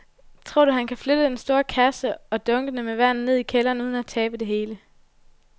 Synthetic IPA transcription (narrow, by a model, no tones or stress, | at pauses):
t͡sʰʁo̝ɐ̰d̥uhænkʰæflød̥əd̥ensd̥o̝ːɐkʰæsəɒ̽d̥ɔ̽ŋɡ̥ənəmeʋæn̰n̩ne̝ð̞̰ˠikʰelɐːnuːð̞ˠnæt͡sʰɛːb̥əd̥e̝ɦe̝ːlə